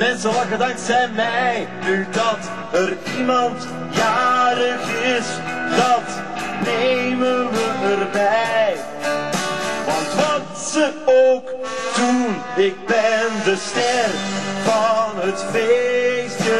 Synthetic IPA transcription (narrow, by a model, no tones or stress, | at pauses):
mɛnsəlakədɑŋksɛnmɛjnydɑt | ər | imɑnt | jaːɾəxɪs | dɑt | nejmənʋəərbɛjj | ʋɑntʋɑt | səowk | d̥un | ɪk̚bɛndəstɛrvɑnɦətfestə